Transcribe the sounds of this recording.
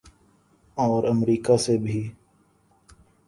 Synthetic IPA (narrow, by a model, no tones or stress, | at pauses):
ɔːɾəmɾiːkasebʱiː